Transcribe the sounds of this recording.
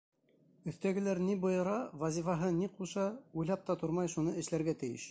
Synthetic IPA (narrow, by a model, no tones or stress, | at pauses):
ɵ̆θt̪æɡɘ̆læɾnibŏjɤ̆ɾɑvɑzʲifɑɦɤniquʃɑujlˠɑp̚t̪ɑt̪uɾmɑjʃunɤɘ̆ʃlæɾɡæt̪ɘ̆jɘ̰ʃ